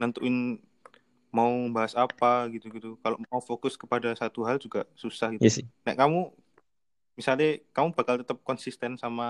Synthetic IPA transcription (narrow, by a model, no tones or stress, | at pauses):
nant̪uɪn | maubaɦasapaɡit̪uɡit̪ukaloʔmaufokʊskə̥padasat̪uɦald͡ʒuɡasusahɡitɛsna̰kamu | misalɲakamubakalt̪ət̪əp̚kɔnsist̪ɛnsama